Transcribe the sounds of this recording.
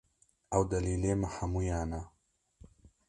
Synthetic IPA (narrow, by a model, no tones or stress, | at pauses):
awd̪ɐliːlemahamujaːna